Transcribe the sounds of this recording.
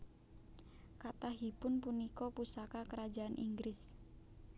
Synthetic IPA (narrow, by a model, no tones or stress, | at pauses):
kat̪ahɦipʊnpunikɔpusakakəɾad͡ʒaanʔḭŋɡɾɪs